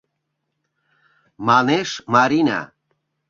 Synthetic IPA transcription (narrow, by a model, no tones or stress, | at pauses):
manɛʃmaɾina̰